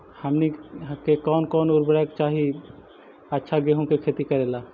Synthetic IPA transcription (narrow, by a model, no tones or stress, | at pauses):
həmnikekɔːnkɔnoɾbɾakt͡ʃaɦi | ətːʃʰaɡeɦũkekʰet̪ikəɾela